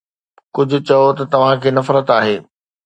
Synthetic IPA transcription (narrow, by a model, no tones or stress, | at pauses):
kʊd͡ʑʱʊ̆t͡ɕɐjot̪ɐt̪ɐʋ̤ãkʰeːnɐfɾət̪aːɦeː